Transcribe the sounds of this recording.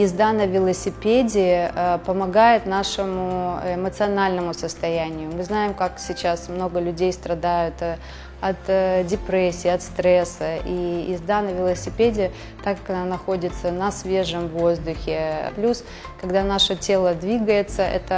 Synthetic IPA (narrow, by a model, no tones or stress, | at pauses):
ɪzd̪anəvʲɪlˠəsʲɪpʲedʲɪpəmɐɡajɪt̪naʂɨmʊɪmət̪sɨɐnalʲnəmʊsəst̪ɐjænʲɪjʊmɨznajɪmkaksʲɪt͡ɕasmno̞ɡəlʲʉdʲejst̪ɾɐd̪ajʊt̪ | ɐt̪dʲɪpɾɛsʲːɪːɐt̪st̪ɾɛsəʔiɪzd̪anəvʲɪlˠəsʲɪpʲedʲɪ | t̪akɐnanɐxo̞dʲɪt̪sənɐsvʲe̞ʐəmvo̞zd̪ʊxʲɪplʲus | kɐɡd̪anaʂətʲe̞lˠəd̪vʲiɡəjɪt̪səʔɛ̰t̪ə